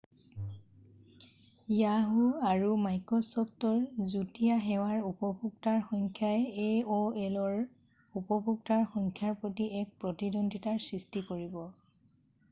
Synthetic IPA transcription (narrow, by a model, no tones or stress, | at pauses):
jaɦuaɹumajkɹɔsɔptɔɹzutijaɦɛwaɹupɔbʱuk̚taɹxɔŋkʰjaɛeoɛlɔɹ | upɔbuk̚taɹxɔŋkʰjaɹpɹotiʔɛk̚pɹɔtidondʱitaɹsɹistikoɹibɔ